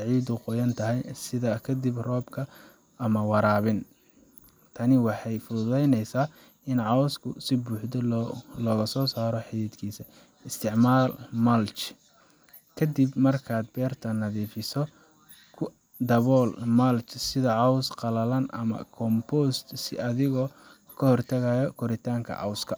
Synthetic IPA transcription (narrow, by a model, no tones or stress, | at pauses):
sʕiːd̪ʊqɔjɐnt̪ʰɐɦɛjsɪðɐkʰɐd̪ɪbrɔːbkʰɐ | ɐmɐwɑɾaːβɪn | t̪ʰɐnɪwɑħɑjfʊðʊðɛjnɛjsaː | ɪnʕɑwskʰʊsɪbuːħd̪ɔlɔːɣɐsɔːsaːɾɔħɪɪd̪kʰiːsɐ | ɪst̪ʰɪʕmaːlmɐlt͡ʃ | kʰɐd̪ɪbmɐrkʰaːd̪̚bɛːrt̪ʰɐnɐðiːfɪsɔ | kʰ | d̪ɐβɔːlmɐlt͡ʃsɪðɐʕɑwsqɑlɐlɐnʔɐ̰mɐ̰kʰɔmpɔːst̪sɪ̰ʔɐðɪɣɔ | kʰɐhɔrt̪ʰɐɣajɔkʰɔɾɪt̪ʰaːŋkʰɐ̰ʕɑ̰wskʰɐ